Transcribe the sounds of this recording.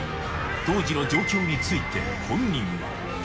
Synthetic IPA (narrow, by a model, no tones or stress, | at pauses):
t̪o̞ːʑino̞d͡ʑo̞ːkʲo̞ːɲ̟it͡sɨit̪e̞̰ | hõ̞ɲʲːĩŋ | a̰